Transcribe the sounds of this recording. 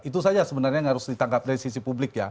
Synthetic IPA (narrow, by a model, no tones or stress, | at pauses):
it̪̬usad͡ʒasəbənarɲaŋaɾʊsdit̪aŋkap̚daɾisisipublɪkja̰